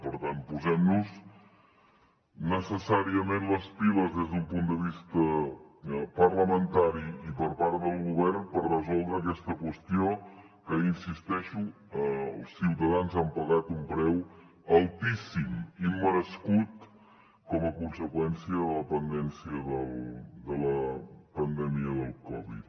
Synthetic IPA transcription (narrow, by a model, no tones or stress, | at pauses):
pəɾt̪anpuzɛmnuz | nəsəsaɾiəmenləspiləzðezðumpund̪əβist̪ə | pərləmənt̪aɾiipəɾpaɾt̪d̪əlˠɣuβ̞ɛrnpərrəzɔlˠd̪ɾəːk̬ɛst̪əkwəst̪io | kəinsist̪ɛʃu | əlˠsiwt̪əðanzampəɣat̪umpɾɛw | əlˠt̪isimimːəɾəskut̪ | kɔməkunsəkwɛnsiəðələpənd̪ɛnsiəðəlˠd̪ələpənd̪ɛmiəðəlˠkɔβḭt̪